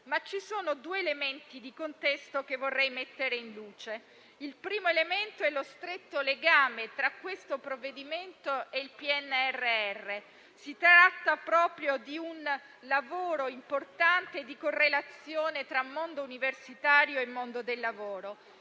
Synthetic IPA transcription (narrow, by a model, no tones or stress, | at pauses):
mat͡ʃːisoːnod̪uːeːlement̪id̪ikont̪ɛst̪okevːorːɛjmet̪ːeɾeinluːt͡ʃe | ilpɾiːmoelement̪oɛlost̪ɾet̪ːoleɡaːmet̪ɾakːwest̪opɾovːed̪iment̪oeilpiɛnːɛrːeɛrːe | sit̪ɾat̪ːapɾɔːpɾjod̪iun | lavoːɾoimport̪ant̪eːd̪ikorːelat̪sːjoːnet̪ɾamːond̪ouniversit̪aːɾjoemːond̪od̪elːavoːɾo